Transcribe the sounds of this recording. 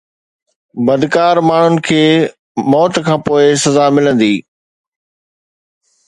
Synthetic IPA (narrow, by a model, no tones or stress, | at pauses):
bɐd̪kaːɾmaːɳ̤ʊnɪ̆kʰeː | mɔːt̪kʰãːpoːɪsɐzaːmɪlə̃nd̪iː